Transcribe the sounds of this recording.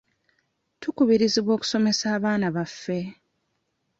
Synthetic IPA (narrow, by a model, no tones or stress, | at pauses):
tukuβiɾiziβwo̞ːku̥so̞me̞saːβaːnaβafːe̞